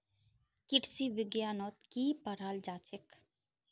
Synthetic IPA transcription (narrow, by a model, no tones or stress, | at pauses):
kɪʈsiʋɪɡjaːnɔːt̪kiːpəɾaːld͡ʒaːt͡ʃɪk